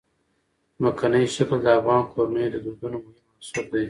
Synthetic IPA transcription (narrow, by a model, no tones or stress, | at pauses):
makʰanajʃakld̪əavɣɑːnkʰoɾned̪əd̪uɾd̪unomʊhɪmːasup̚d̪ej